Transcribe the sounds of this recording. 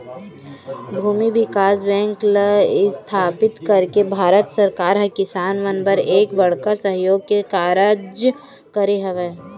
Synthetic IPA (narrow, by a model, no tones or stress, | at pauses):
bʱuːmibɪkaːsbɛ̃ːŋkləɪst̪ʰaːpɪt̪kɐɾkebʱaːɾət̪sɐɾkaːɾɦɛkɪsaːnʋənbəɾeːkbɐɽ̤kasəɦjoːɡ̚kekaːɾəd͡ʒ | kɐɾeɦɐʋeː